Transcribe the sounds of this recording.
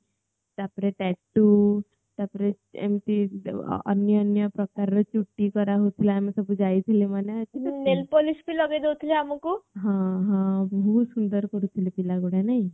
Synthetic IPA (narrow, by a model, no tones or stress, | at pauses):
t̪apɾeʈɛʈːu | t̪apɾe | ḛmt̪ḭ | ə̰njəənjəpɾəkaɾːət͡ʃuʈːikɔɾaɦot̪ʰilaamisəbud͡ʒajt̪ʰilimaneət͡ɕinelpolisbiləɡed̪ot̪ʰliamukuɦãɦãbuːsund̪əɾkɔɾut̪ʰilepilaɡoɽanai